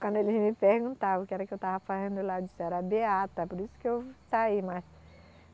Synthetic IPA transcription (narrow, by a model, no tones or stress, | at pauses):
kɐ̃nd̪ʊelimipehɡũnt̪aʊkɛɾɐkɪewt̪avɐfazẽnd̪ʊlad͡ʒisɛɾɐbeat̪ɐpɔɾisʊ̥kɪewsaimajs